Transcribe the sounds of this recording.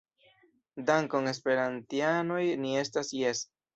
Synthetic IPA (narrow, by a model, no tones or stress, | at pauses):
daŋkoŋe̞s̬pe̞ɾant̪iano̞jnie̞stasjes